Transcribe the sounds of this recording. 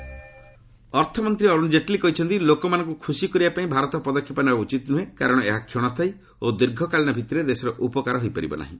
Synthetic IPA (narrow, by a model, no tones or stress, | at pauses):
ɔɾt̪ʰɔmɔnt̪ɾiɔɾund͡ʒeʈlikɔɦit͡ʃʰɔnt̪ilokɔmanɔ̃ŋkukʰusikɔɾibapaĩbʱaɾɔt̪ɔpɔd̪ɔkʰːjipɔnbaut͡ʃit̪ɔnuɦẽkaɾɔɽ̃ɔḛɦakʰjoɽ̃ɔst̪ʰaj | od̪iɾɡʱɔkalinɔbʱit̪ɔɾed̪esɔɾɔʔupɔkaɾɔɦojpaɾḭbɔ̰na̰ɦḭ̃